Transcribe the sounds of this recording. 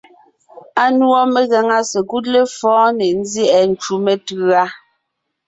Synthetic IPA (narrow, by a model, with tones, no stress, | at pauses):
a˦nwɔ˦me˨ɣɛ˨ŋa˦sɛ˨ɡu˦t̚le˦fɔ̃ː˦ne˨n̩˦zjɛ˦˨ʔɛ˨n̩˨˦t͡ʃu˨me˨tʉ˨˦a˦